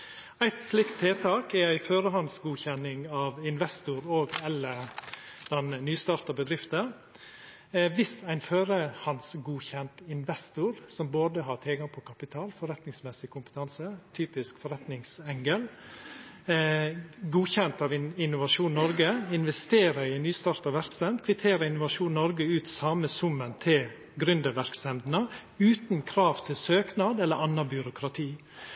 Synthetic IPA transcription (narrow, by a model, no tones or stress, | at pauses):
æɪt̪slɪkt̪ʰːeːt̪ʰɑːkɛɾæɪføːɾəɦɑnsɡuːçɛnɪŋɑːʋɪnʋɛst̪ʊɾoːɡɛlːəɾd̪̥ɛnnyːst̪ɑːɾt̪əbəd̪ɾɪft̪ə | ʋɪsæɪnføːɾəhɑnsɡuːçɛnt̪ɪnʋɛst̪ʊɾsɔmboːd̪əɦɑt̪ʰɪlɡɑŋpʰɔkʰɑpɪt̪ʰɑːlfɔɾɛt̪nɪŋsmɛsɪkʰʊmpə̥t̪ʰɑnsət̪ʰyːpɪskfɔɾɛt̪nɪŋsɛŋɡəl | ɡuːçɛnt̪ɑʋɪnːʊʋɑʂuːnnɔɾɡəɪnʋɛst̪eːɾəɪnyːst̪ɑːɾt̪ɑʋæɾksɛnd̪kʰʋɪt̪ʰeːɾəɪnʊʋɑʂuːnnɔɾɡəʉːt̪sɑməsʊmənt̪ʰɪl | ɡɾʏnd̪əʋæɾksɛnd̪nə | ʉːt̪nkʰɾɑːʋt̪ʰɪlsøːknɑd̪ɛlːəɾɑnːɑbjʉɾʊkʰɾɑt̪ʰiː